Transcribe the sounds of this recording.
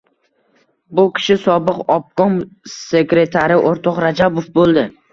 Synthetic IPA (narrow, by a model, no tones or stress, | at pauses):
bʊkʲʰɪ̥ʃɪsɒbɨqɒp̚kɒmse̞kɾe̞t̪ʰaɾɪʔoɾt̪ʰɒqɾad͡ʒabofbolˠd̪ɪ